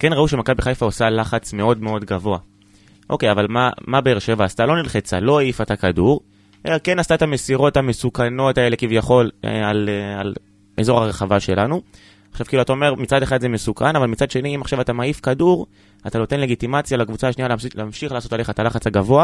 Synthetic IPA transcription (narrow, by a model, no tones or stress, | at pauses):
ke̞nʁauʃemakabiχajfaosalaχat͡sme̞o̞dme̞o̞dɡavo̞a | ʔo̞kejavalmamabe̞eʁʃe̞vaːstalo̞nilχet͡sa̰lo̞aifatakaduʁ | ʔelake̞nastaetame̞siʁo̞thame̞sukano̞tae̞le̞kivjaχo̞lḛaleal | ʔḛzo̞ʁaʁeχavaʃe̞lanu | aχʃav̥kiluatao̞me̞ʁmit͡sadeχadzeme̞sukanavalmit͡sadʃe̞niimaχʃavatamaifkaduʁ | atano̞tenle̞ɡitimat͡sjalakvut͡saːʃnialleːmʃiχleaːso̞tale̞χaetalaχat͡shaɡavo̞a